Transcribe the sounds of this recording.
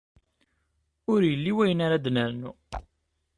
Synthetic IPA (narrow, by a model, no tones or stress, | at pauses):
ʊɾjəlːiwæjənaɾad̪nəɾnu